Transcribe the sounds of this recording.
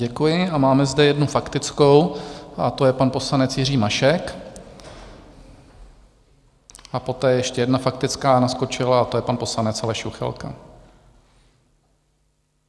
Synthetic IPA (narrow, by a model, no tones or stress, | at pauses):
ɟɛkujɪʔamaːmɛzdɛjɛdnufakt̪ɪt͡skowʔat̪o̞jɛpanpo̞slanɛt͡sjɪriːmaʃɛk | ʔapo̞t̪ɛːjɛjɛʃcɛjɛdnafak̚t̪ɪt͡skaːnasko̞t͡ʃɪlaat̪o̞jɛpanpo̞slanɛt͡shaɛʃuxɛ̰lka̰